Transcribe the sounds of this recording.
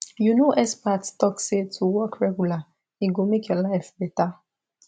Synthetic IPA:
junoʔɛspattɔksetʰuwɔkɹɛɡula | iɡomekelaɪfbɛta

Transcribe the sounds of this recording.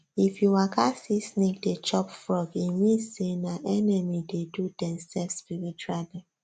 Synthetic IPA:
ifjuwakʰasisnik̚det͡ʃɔpfɹɔɡimisenaʔɛnɛmidedudɛ̃msɛlfspiɹit͡ʃualɛ

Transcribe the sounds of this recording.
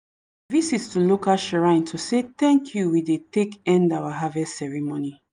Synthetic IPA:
ðisistulokaʃɛɹãɪ̃ntʰusetɛ̃ŋkʰjuwidetekɛ̃ndawaɦavɛssɛɹimoni

